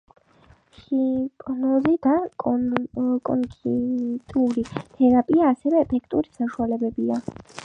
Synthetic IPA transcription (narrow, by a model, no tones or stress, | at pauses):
χipʼnɔzid̪a | kʼɔ̰ŋkʰit̪ʼuɾit̪ʰɛɾapʼiaːsɛvɛːpʰɛkʰt̪ʼuɾisaʃualɛbɛbia